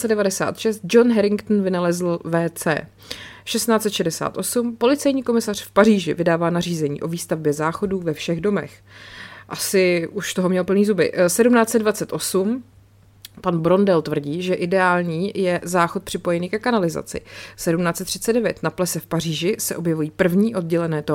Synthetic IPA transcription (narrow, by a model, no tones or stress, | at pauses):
t͡sɛdɛvadɛsa̰ːt̪ʃɛst̪̚d͡ʒo̞nɦɛɾɪŋkt̪n̩vɪnalɛzl̩vɛːt͡sɛ̰ː | ʃɛst̪naːtt͡sɛt̪ʃɛdɛsa̰ːt̪ʔo̞sumpo̞lɪt͡sɛjɲiːko̞mɪsar̝̥fpariːʒɪ̰vɪdaːvaːnariːzɛɲḭːʔo̞viːst̪avbjɛzaːxo̞duːvɛfʃɛɣdo̞mɛ̰x | ʔasɪʔuʃt̪oɦomɲɛlpl̩niːzubɪ̰sɛdumnaːt͡sɛdvat͡sɛt̪ʔo̞sum | panbɾo̞ndɛlt̪vr̩ɟiːʒɛʔɪdɛaːlɲiːjɛzaːxo̞t̪̚pr̝̥ɪpo̞jɛniːkɛkanalɪza̰t͡sɪ̰sɛdumnaːt̪t͡sɛt̪ːr̝̥ɪ̥tt͡sɛddɛvjɛt̪naplɛsɛfpar̝iːʒɪsɛʔo̞bjɛvujiːpr̩vɲiːʔo̞d̪ɟɛlɛnɛːt̪o